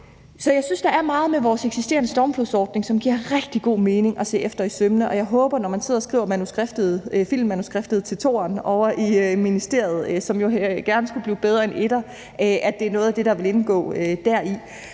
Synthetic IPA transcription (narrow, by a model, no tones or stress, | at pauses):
sɒ̽jɑ̈ɪsynsd̥ɑ̈æɐmɑ̈ːð̞̩ˠmeʋɒːseɡ̥sisd̥e̝̰ːɐnəsd̥ɒːmpʰlusɒːd̥ne̝ŋsɒ̽mɡ̥iɐʁɛɡ̥d̥iɡ̥o̝̰ːme̝ːne̝ŋʔɒ̽se̝̰ːefd̥ɐisømnəʔɒ̽jɑ̈ɪɦɔ̽ːb̥ɐnɒmænse̝ð̰ˠɒsɡ̥ʁḭʊ̰ɐmænusɡ̥ʁafd̥ð̩ˠfil̰mːænusɡ̥ʁefd̥ð̞̩ˠt͡sʰe̝lt͡sʰo̝̰ːɐnɒ̽ʊʔiminisd̥e̝ɐjð̞̩ˠsɒ̽mjo̝ɡ̥æɐnəsɡ̥ub̥liːb̥eð̞ˠʁɐene̝ɾ̥ɐ | ʔæd̥e̝æɐnɔ̽ːð̩ˠæd̥e̝ɾɑ̈ʋe̝le̝nɡ̥ɔ̰̽ːød̥æɐ̰i